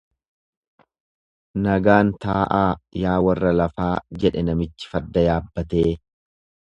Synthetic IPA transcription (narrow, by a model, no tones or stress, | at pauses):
nɐɡaːnt̪aːʔaːjaːwɐrːɐlɐfaːd͡ʒɛᶑɛnɐmɪt͡ʃːɪ̥fɐd̪ːɐjaːbːɐt̪eː